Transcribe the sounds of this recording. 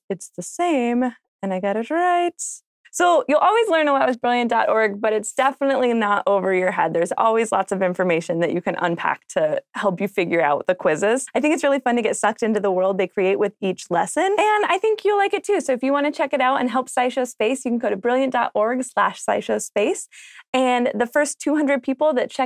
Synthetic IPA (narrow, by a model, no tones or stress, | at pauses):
ɨtsðɨsẽɪ̃m | ɨ̃naɪɡɑɾɨt̚ɹaɪt | soʊjɨlˠʔɔlˠwizlɜ̃˞nəɑt̚wʌzbɹɪlˠjɨ̃nd̥ɑɾʔɔɹɡ̚bʌɾɨtsd̥ɛfənəʔˡlinəɾʔoʊvə˞jə˞ɦɛd̪̚ðə˞zɔ̰lˠwizlɑ̰tsʌvɪ̃ɱfə˞meɪʃɨ̃nðɨt͡ʃɨkʰɨ̃nʔə̰̃npʰæ̰k̚tʰɨhɛlˠpjɨfɪɡjə˞aʊt̪̚ðɨkʰw̥ɪzɪz̥aɪθɪ̃ŋkɨtsɹɪlˠifʌ̃ntɨɡɛtsʌk̚tɪ̃ntʉðəwɜ˞lˠd̪̚ðeɪkʰɹ̥ieɪʔ̚wɨðit͡ʃlɛsɨ̃nɨ̃naɪθɪ̃ŋkʰjɨlaɪkɨtʰʉsoʊɨfjɨwɑ̃ñɨt͡ʃʰɛkɨɾaʊɾɨ̰̃nɦɛlˠpsaɪʃoʊspeɪsjɨkn̩ɡoʊɾɨbɹɪlˠjɨ̃nd̥ɑ̰ɾʔɔɹɡ̥slæʃsaɪʃoʊspeɪsɨ̃nðɨfɜ˞stʰʉhʌ̃ndɹɨd̚pʰipl̩ˠðɨt̚t͡ʃʰɛ